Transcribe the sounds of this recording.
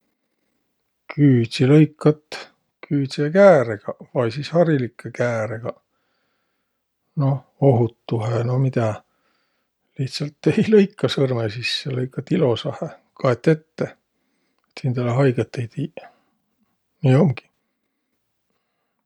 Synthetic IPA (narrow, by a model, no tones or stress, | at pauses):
kʰyːt̪silɤjkːˑɑt̪ː | kʰyːt̪siekæːɾeɡ̥ɑvɑjsiːshɑɾilikʰːˑekæːɾeɡ̥ɑ | no̞ | o̞ɦut̪ːuɦeno̞mid̪æ | liht̪sɑlt̪ːe̞jlɤjkːɑsɤrmesisːelɤjkːˑɑt̪ːilo̞sɑhekɑet̪ˑːe̞t̪ːe | t̪sind̪̥eleɦɑjɡ̥et̪ːˑejt̪iː | niːo̞mɡ̥i̥